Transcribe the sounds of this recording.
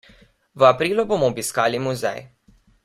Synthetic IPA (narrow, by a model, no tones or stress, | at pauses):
ʋəapɾiːlubomɔːbiskaːlimuzɛ̰j